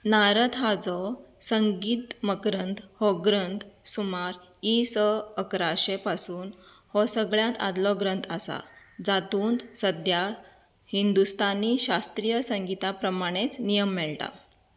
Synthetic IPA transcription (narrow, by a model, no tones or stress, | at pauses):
naɾət̪ɦad͡zɔsəŋɡiːt̪məkɾənd̪hɔɡɾənt̪sumaɾ | isəəkɾaɕepasuːn | hɔsəɡɭjãt̪a̰d̪lɔɡɾənt̪ʰasa̰ | d͡zat̪uːnd̪səd̪ja | hind̪ust̪aniɕast̪ɾijəsəŋɡit̪apɾəmaɽ̃et͡snijəmːɛɭʈa̰